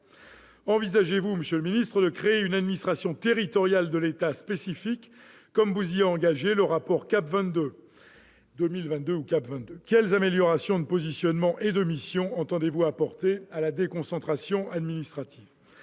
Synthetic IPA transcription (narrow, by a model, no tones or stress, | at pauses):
ɑ̃vizaʒevuməsjələminist̪χəd̪əkχeːynad̪minist̪χasjɔ̃t̪eʁit̪ɔʁjald̪əlet̪aspesifikː | ɔmvuzieɑ̃ɡaʒeləʁapɔʁkapvɛ̃t̪d̪ø | d̪ømilvɛ̃t̪̚d̪øukapvɛ̃t̪̚d̪økʲɛlzameljɔʁasjɔ̃d̪əpozisjɔnmɑ̃ʔed̪əmisjɔ̃ɑ̃t̪ɑ̃d̪evuapɔʁt̪ealad̪ekɔ̃sɑ̃t̪χasjɔ̃ad̪minist̪χat̪ʰi̥v